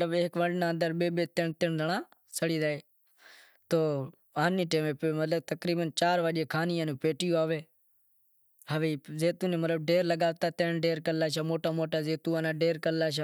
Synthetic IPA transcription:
ələbːkʋəɖnaːənd̪əɾɓeːɓeːt̪ɪɳt̪ɪɳd̪əɳaː | səɽiːzaːeː | t̪oː | aːniːʈẽːmeːpemət̪ləbt̪əkɾiːbənt͡ʃaːɾʋaɗeːkʰaːnɪjãːnũːpeːʈɪjoaːʋeː | ɦəʋeːzeːt̪uːnẽːmət̪ləb̚ɖeːɾləɡaːʋt̪aːt̪eːɳɖeːɾkəlːaːʃ̬aːmoːʈaːmoːʈaːzeːt̪uːaːnaːɖeːɾkəlːaːʃaː

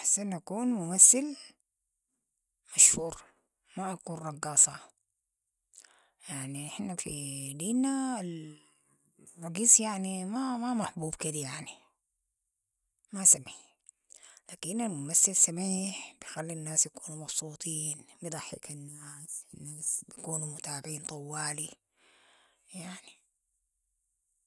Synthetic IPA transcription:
ʔaħsanʔakuːnmʊmaθːɪl | maʃhuːɾ | maʔakuːnrˤɑɡːɑːsˤɑ | jaʕniħnːafḭd̪iːnal | rˤɑɡiːsjaʕnimamamaħbuːbkid̪ajaʕni | masamːi | laːkinalmʊmasːɪlsamiːħb̥ijxalːinːaːsjakuːnumɑbsˤuːt̪ˤiːnbid̪ˤɑħːḭkanːaːsɪnːaːsbjakuːnumʊt̪aːbiːnt̪ˤʊwːaːli | jaʕni

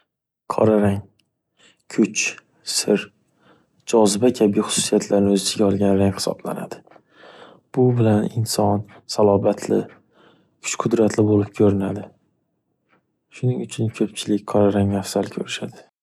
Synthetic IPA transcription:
qʰɒ̰ɾaɾaŋ | kʲʰʊt͡ʃ | sɪɾ | d͡ʒɒzɪbakʲʰabijχʊ̥sʊ̥sijat̪ʰlaɾnɪɵzɪsɪɡʲaɒlˠɡʲanɾaŋhɪ̥sɒ̰bla̰na̰d̪̥ɪ | b̥ʊbɪlanɪnsɒn | salˠɒbat̪ʰlɪ̰ | kʲʰʊ̥t͡ʃqʰʊd̪ɾat̪lɪbolɪp̚kʲʰɵɾɪnad̪ɪ | ʃʊnɪŋʊt͡ʃʰɪnkʲʰɵpt͡ʃʰɪlɪkʲqʰɒɾaɾaŋnafsalkʲʰɵɾɪʃad̪ɪ

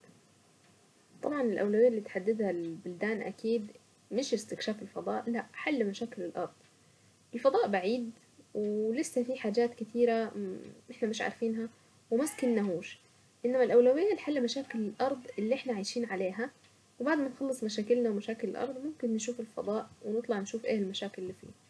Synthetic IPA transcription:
t̪ˤɑbʕɑnɪlʔawlawɪjːalːiːt̪ħad̪ːɪd̪halbʊld̪aːnʔæ̰kiːd̪ | mɪʃɪst̪ɪkʃaːfɪlfɑd̪ˤɑːʔlaʔħalːmaʃaːkɪlɪlʔɑɾˤd̪ˤ | ʔɪlfɑd̪ˤɑːʔbaʕiːd̪ | wlɪsːæfiħaːd͡ʒaːt̪kɪt̪ʰiːɾaʔɪħnamɪʃʕa̰ɾˤfiːnɦa | wɪmaskɪnːaɦuːʃ | ʔɪnːamalʔawlawɪjːalħalːmaʃaːkɪlɪlʔɑɾˤd̪ˤʔɪlːiʔɪħnaʕaːjʃiːnʕaleːɦa | wɪbaʕd̪manxɑlːɨsˤmaʃ̬aːkɪlnawmaʃaːkɪlɪlʔɑ̰ɾˤd̪ˤmʊmkɪnːʃ̬uːfɪlfɑ̰d̪ˤɑːʔwɪnɨt̪ˤlɑʕnʃuːfʔḛːɪlmaʃaːkɪlːiːfḭː

